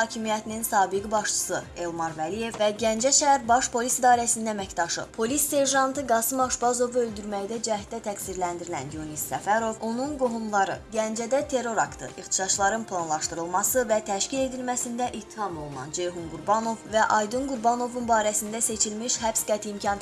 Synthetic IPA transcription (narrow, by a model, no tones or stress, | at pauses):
ɑːcʰimijæt̪ʰininsɑːbiɡibɑʃt͡ʃʰɯ̥sɯe̞lˠmɑɾvælije̞vvæɟænd͡ʒæʃææɾbɑʃpʰo̞lʲisid̪ɑːɾæsininæmæct̪ɑʃɯ̰pʰo̞lisːe̞ɾʒɑnt̪ɯɡɑsɯmɑʃbɑzo̞vuøld̪yɾmæjd̪æd͡ʒæd̪æt̪ʰæksiɾlænd̪iɾilæ̰njunisːæfæɾo̞vo̞nunɡoɦumlˠɑɾɯɟænd͡ʒæd̪æt̪ʰe̞ɾːo̞ɾɑkt̪ʰɯ̰ixt̪ʰi̥ʃɑt͡ʃlˠɑɾɯnpʰlˠɑnlˠɑʃt̪ɯɾɯlˠmɑsɯvæt̪ʰæʃcile̞d̪ilmæsind̪æʔit̪ʰːihɑmo̞lˠunɑ̰nd͡ʒejɦunɡuɾbɑno̞vvæʔɑjd̪unɡuɾbɑno̞vunbɑːɾæsind̪æse̞t͡ʃʰilmiʃɦæpsɡæt̪ʰiːmcʰɑn